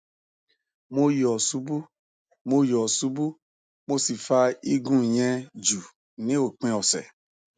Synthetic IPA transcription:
mo˧jɔ˨su˨˦bu˦ | mo˧jɔ˨su˨˦bu˦ | mo˧si˨fa˧i˦ɡũ˦˨j̃ɛ̃˧d͡ʒu˨ | nĩ˨˦o˨k͡pĩ˧ɔ˨sɛ̰˨

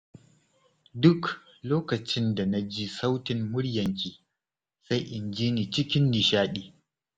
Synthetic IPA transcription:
dʊ˦k | loː˦kɐ˨t͡ʃɪ˦nda˨na˦d͡ʒi˦sa˦wtɪ˨mːʊ˦ɽjɐ˨ŋkʲiː˨ | sa˦jʔɪ˨nd͡ʒiː˦niː˨t͡ʃɪ˦kʲɪ˦nːi˨ʃaː˦ɗiː˦

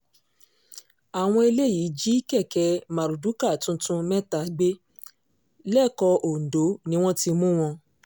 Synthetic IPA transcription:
a˨w̃ɔ̃˧i˧le˦˨ji˨˦d͡ʒi˦kɛ˦˨kɛ˧ma˨ɾu˨du˨˦ka˦˨tũ˧tũ˧mɛ˦ta˨ɡ͡be˦ | lɛ˦˨kɔ˧ʔo˨n̩˨do˨˦nĩ˦w̃ɔ̃˦ti˧mũ˦w̃ɔ̃˧

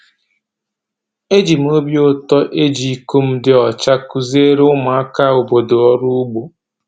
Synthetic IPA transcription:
e˦d͡ʒi˨m̩˨˦o˦bjo˦tɔ˦ʔe˦d͡ʒi˨i˨ku˦m̩˦dɪ˦ɔ˨t͡ʃa˦ku˨ze˦ɾe˦ʊ˦ma˨a˦ka˦˨o˨bo˨do˨ɔ˦ɾʊ˦ʊ˦ɡ͡bu˨

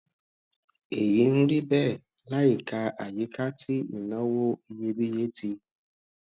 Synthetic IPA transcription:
e˨ji˨˦n̩˦ɾi˦bɛ˦˨ | la˦i˨ka˧ʔa˨ji˦kʰa˦tʰi˦ḭ˨nɔ˦wo˦i˦je˦bi˦je˦ti˧

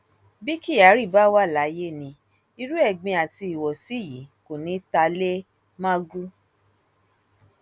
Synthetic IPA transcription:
bi˦ki˦˨a˨˦ɾi˦˨ba˦wa˦˨la˨˦je˦nĩ˧ | i˧ɾu˦ɛ˦˨ɡ͡bĩ˧a˨ti˧i˨wɔ˨si˨˦˨ji˨˦ko˨nĩ˨˦ta˧le˦ | mã˦ɡu˦

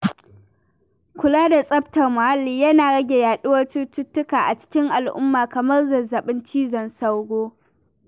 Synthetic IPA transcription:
kʷʊ˨laː˦da˨sʼɐ˦ptɐ˨rmʊ˨ha˦lːiː˨jɐ˦naː˨ɽɐ˦ɡʲe˨jaː˨ɗʊ˦wɐ˦rt͡ʃʊ˦tʊ˦tːʊ˦kaː˨ʔa˨t͡ʃɪ̥˦kʲɪ˦ŋʔa˨lʔʊ̰˦mːaː˨kɐ˨mɐ˦rzɐ˨zɐ˨ɓɪ˦nt͡ʃiː˦zɐ˨nsa˦wɡʷoː˦

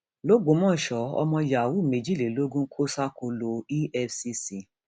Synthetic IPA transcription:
lo˦ɡũ˨˦mɔ̃ː˦˨ʃɔ˨˦ɔ̰˧mɔ̃˧ja˨wu˦˨mĩ˨d͡ʒi˦˨le˨lo˦ɡũ˦kʰo˦sa˦ko˧lo˧i˦ʔɛ˧fsi˧si˧˨

